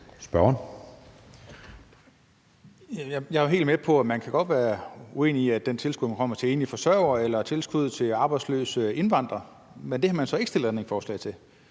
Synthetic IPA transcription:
sb̥ɶɐn | jæjjɑ̈ɪæɦe̝̰ːldmepʰɒ̽æmænkʰæɡ̥ɒ̽d̥ʋæːɐue̝̰ːniiæd̥ent͡sʰe̝lsɡ̥uðˠmænkɒ̽m̰ɐt͡sʰe̝e̝ːnifɒ̽sɶɐʊɐelɐt͡sʰe̝lsɡ̥uð̞̰ˠt͡sʰe̝ɑ̈ːb̥ɑ̈ɪdslø̰ːsəe̝nʋɑ̈n̰d̥ʁɐ | mend̥e̝hɑ̈mænsɒ̽e̝ɡ̥sd̥el̰d̥æneŋsfɒ̰ːslɛ̰ɪt͡sʰe̝

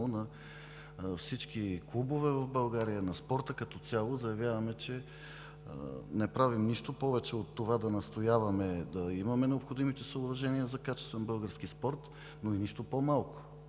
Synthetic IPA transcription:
onɐ | fsit͡ʃkiklˠubovɛvɐvbɐlˠɡaɾijənɐspɔɾt̪əkɐt̪ɔt̪sʲjalˠozɐjɐvjavɐmɛt͡ʃɛ̰ | nɛpɾavimniʃt̪opɔvɛt͡ʃɛot̪ːovad̪ɐnɐst̪ojavɐmɛd̪ɐimɐmɛnɛopxod̪imit̪ɛsəobɾɐʒɛniəzɐkat͡ʃɛ̥st̪vɛnbɤlˠɡəɾsk̟ispɔɾt̪ | noiniʃt̪opomalˠkʊ̥

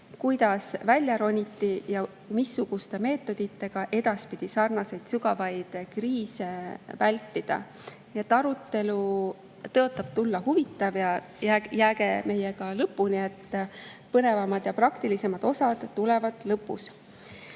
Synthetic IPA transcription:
kujd̪̥ɑsvælʲjɑɾo̞nʲit̪ːˑijɑ | misːuɡ̥ust̪e̞me̞ːt̪ːˑo̞d̪̥it̪ːe̞ɡ̥ɑʔe̞d̪ɑspid̪̥isɑrnɑse̞jd̪̥syɡɑvɑjd̪̥kriːse̞vælʲt̪ːˑid̪̥ɑ̰ | nie̞t̪ːˑɑɾut̪ːˑe̞lu | t̪ɤot̪ːˑɑb̥̚t̪ulːɑhuvit̪ːˑɑvjɑ | jæjæːɡe̞me̞je̞ɡ̥ɑlɤpːˑunie̞t̪ːpɤne̞vɑmɑd̪̥jɑprɑkt̪ilise̞mɑd̪̥o̞sɑd̪̥ːule̞vɑd̪̥lɤpːṵs

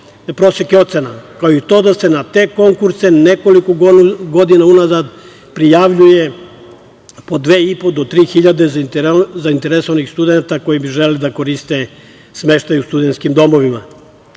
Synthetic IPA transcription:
pɾo̞sekeo̞t̪senakaoit̪o̞ːd̪ase̞nat̪e̞ko̞ŋkuɾseneko̞likoɡɡo̞d̪inaunazad̪ | pɾijaʋʎuje̞ | po̞d̪ʋeːipo̞d̪ot̪ɾiːxiʎad̪ezaint̪eɾesonixst̪ud̪enat̪ako̞jibiʒelelid̪ako̞ɾist̪e | sme̞ʃt̪ajust̪ud̪ent̪skimd̪o̞mo̞ʋima

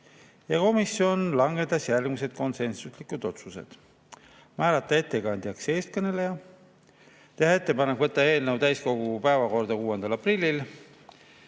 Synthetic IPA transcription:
jɑko̞misjo̞nlɑŋɡ̥e̞t̪ːˑɑsjælɡmuse̞d̪̥ko̞nse̞nsuslikˑud̪̥o̞t̪suse̞̰d̪̥ | mæːɾɑt̪ːˑɑe̞t̪ːe̞kɑnd̪ʲjɑkse̞ːst̪̚kɤne̞le̞jɑ | t̪e̞hɑe̞t̪ːe̞pɑnekvɤt̪ːˑɑe̞ːlnəwt̪æjsko̞ɡupæevɑko̞rd̪̥ɑkuːend̪ɑlɑprilʲːil

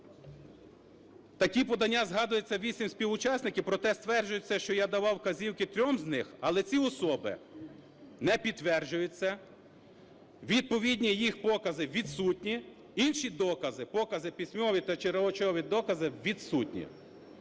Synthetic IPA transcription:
t̪ɐkʲipɔd̪ɐnʲːazɦɑd̪ʊjet͡sʲːɐʋʲisʲimsʲpʲiʋʊt͡ʃɑsʲnɪkʲɪwpɾɔt̪ɛst̪ʋɛrd͡ʒʊjʊt͡sʲːɐʃt͡ʃɔjad̪ɐʋɑwkɐzʲiwkɪt̪ɾʲɔmznɪxɐlˠɛt͡sʲiɔsɔbɪ̰ | nɛpʲit̪ːʋɛrd͡ʒʊjʊt͡sʲːɐ | ʋʲid̪̚pɔʋʲidʲnʲijixpɔkɐzɪʋʲid̪sutʲnʲi | inʲʃid̪ɔkɐzɪpɔkɐzɪpʲisʲmɔʋʲit̪ɐt͡ʃeɾɔɔt͡ʃɔɔʋʲid̪ɔkɐzɪʋʲid̪sutʲnʲḭ

